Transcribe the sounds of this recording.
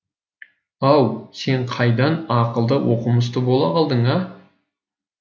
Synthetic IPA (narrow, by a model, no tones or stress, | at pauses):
ɑwse̞ɴqʰɑjd̪ɑnɑqəlˠd̪əwoqəməs̬t̪əbo̞lˠɑɑlˠd̪əɴɑ